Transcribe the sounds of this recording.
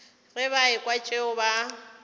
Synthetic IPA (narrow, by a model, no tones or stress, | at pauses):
rɪβaɪkʼwat͡ʃʼɪʊba